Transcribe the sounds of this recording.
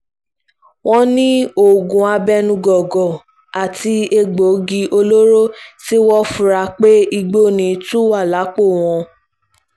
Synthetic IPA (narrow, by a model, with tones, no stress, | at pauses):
w̃ɔ̃˦nĩ˦o˦˨ɡũ˨a˧bɛ˧˦nũ˧ɡɔ˨ɡɔ˨ | a˨ti˧e˧ɡ͡bo˨˦ɡi˧ʔo˧lo˦ɾo˦ti˦wɔ˦fũ˧˦ɾa˧k͡pe˦i˧ɡ͡bo˦˨nĩ˨˦tũ˦wa˦˨la˨˦k͡po˦˨w̃ɔ̃˧